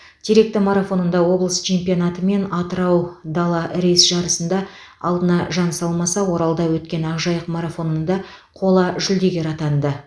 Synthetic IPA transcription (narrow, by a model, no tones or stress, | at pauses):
d̪̥ʰiɾe̞k̚t̪ɪmaɾafo̞nənd̪ɑwo̞blˠəst͡ʃʰe̞mpijonɑt̪əme̞nɑt̪əɾɑwd̪ɑlˠɑɾe̞jsʒ̥ɑɾəsənd̪ɑ | ɑ̰lˠd̪ənɑʒɑnsɑlˠmɑsɑwo̞ɾɑlˠd̪ɑwɵt̪̚kʲe̞nɑʁʒɑjəqmaɾafo̞nənd̪ɑqʰo̞lˠɑʒʏld̪e̞ɡʲe̞ɾɑt̪ɑnd̪ə